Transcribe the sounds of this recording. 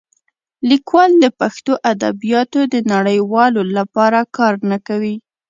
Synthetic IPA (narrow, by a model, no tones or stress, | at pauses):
likwɑld̪əpaxt̪oʔad̪a̰bijɑt̪od̪ənaɽəjwɑlolapɑɾakɑɾnakawi